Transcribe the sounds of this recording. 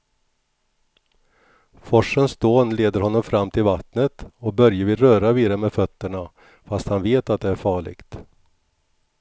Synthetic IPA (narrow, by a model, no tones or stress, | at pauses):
fɔʂənst̪oːnleːd̪əɾhɔnːɔmfɾamːt̪ʰɪlvat̪nət̪ɔbœɾjəvɪlɾœːɾaviːd̪amɛfœt̪ːəɳa | fast̪hanveːt̪at̪̚d̪ɛæɾfɑːɭɪ̰ɡt̪